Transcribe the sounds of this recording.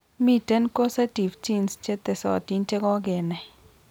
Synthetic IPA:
mi˦te˦nko˦sa˦ti˨ft͡ʃi˦nst͡ʃe˦t̪e˨sɔ̰˨ti˦ɲt͡ʃe˦ɡɔ˦ɡɪ˨nɛ˨

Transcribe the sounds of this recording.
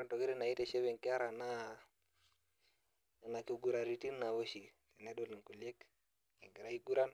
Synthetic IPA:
ɾa˦nto˨ki˦ɾi˦na˨i˦te˨ʃe˦βɛ˨ŋkɪ˦a˦ɾa˨na˦˨ | na˨ko˦ɡu˨ɾa˨ɾi˨˦ti˦nːa˨βo˦ʃi˨te˨ne˦do˦li˨ŋku˨lje˦k | ḭ˨ŋɡɾa˦i˦ɡu˦ɾa˦n

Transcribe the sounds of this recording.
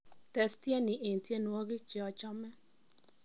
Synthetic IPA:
tɛ˨stje˦nɪ˨ʔe˨n˨tje˦nwɔ˦ɡɪ˦t͡ʃɛ˨ɔ˨t͡ʃɔ˦mɛ˦

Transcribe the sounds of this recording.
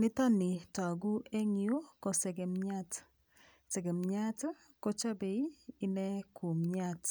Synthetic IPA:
nɪ˦ta˦nɪ˨ta˨ɡu˦e˦ŋjo˦kɔ˨sɛ˨ɡɛ˨mɲa˦t | sɛ˨ɡɛ˨mɲa˦t | ko˦t͡ʃa˦be˨i˦ɪ˦nɛ˦kʰu˨mɲa˦t

